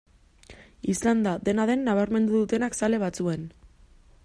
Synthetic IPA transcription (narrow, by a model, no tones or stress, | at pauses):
island̪aðe̞naðe̞nːaβ̞aɾme̞nd̪uðut̪e̞naksale̞β̞at͡sue̞n